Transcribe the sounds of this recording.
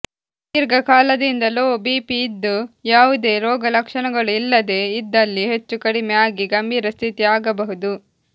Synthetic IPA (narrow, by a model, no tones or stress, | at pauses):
iːɾɡɐkaːlɐd̪ind̪ɐloːbiːpiːd̪ːujaːʋud̪e̞ːɾɔːɡɐlɐkʂɐɳɐɡɐɭuilːɐd̪e̞ːid̪ːɐlːiɦe̞t͡ʃːukɐɽimɛaːɡiɡɐmbʱiːɾɐst̪ʰit̪iaːɡɐbɐɦud̪u